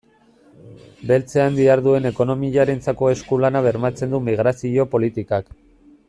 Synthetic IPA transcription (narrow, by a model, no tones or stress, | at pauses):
be̞lt͡se̞and̪iaɾðue̞ne̞ko̞no̞miʎaɾe̞nt͡sako̞e̞skulanaβe̞ɾmat͡se̞nd̪umiɣ̞ɾasio̞po̞lit̪ikak